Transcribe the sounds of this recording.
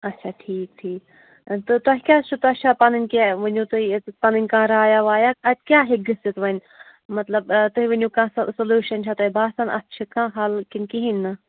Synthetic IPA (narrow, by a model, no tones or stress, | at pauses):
ɐtːʃʰaːʈʰiːk̚ʈʰiːk | t̪ɨt̪ɐɦikʲaːt͡ʃʰut̪ɐt͡ʃʰapɐnɨnʲkʲeʋɐnʲjũːt̪uipɐnɨnʲkãːɾaːjaʋaːjaɐkʲjaːɦiɡɨsit̪ʋɐnʲ | mɐt̪lɐbt̪uɦiʋɐnʲjũːkãːssɐluːʃɐnt͡ʃʰat̪ɐibaːsɐnɐ̰tːt͡ʃʰikãːɦalkinkiɦinʲːɨ